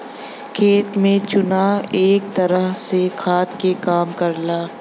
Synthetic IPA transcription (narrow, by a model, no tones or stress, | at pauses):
kʰeːt̪mẽt͡ʃʊnaːeːk̚t̪ɐɾəɦsekʰaːt̪kekaːmkɐɾlaː